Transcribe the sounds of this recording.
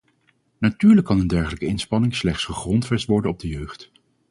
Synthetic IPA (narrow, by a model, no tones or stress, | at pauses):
natyːɹləkːɑnəndɛɹχələkəɪnspɑnɪŋslɛχtsχəχrɔntfɛstʋɔɹdənɔb̚dəjøɥχt